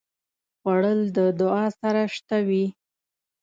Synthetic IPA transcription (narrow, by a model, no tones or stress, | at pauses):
ɣwaɽəld̪əd̪ʊɑsaɾaʂt̪awi